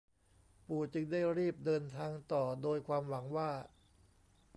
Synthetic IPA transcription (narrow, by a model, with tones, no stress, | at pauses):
puː˨˩t͡ɕɯ˧ŋdaː˥˩jɾiː˥˩p̚dɤː˧nt̪ʰaː˧ŋt̪ɔː˨˩doː˧jkʰwaː˧mwa˩˦ŋwaː˥˩